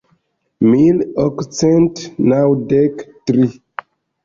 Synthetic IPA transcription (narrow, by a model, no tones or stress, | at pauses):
milɔkt͡sɛntnawdektɾi